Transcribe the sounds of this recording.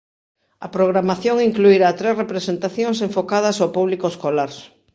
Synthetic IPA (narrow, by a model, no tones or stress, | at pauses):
ɐpɾoɣɾamaθjoŋiŋkluiɾat̪ɾesrepɾesent̪aθjoŋs̬eɱfokað̞ɐsowpuβlikoeskolaɾ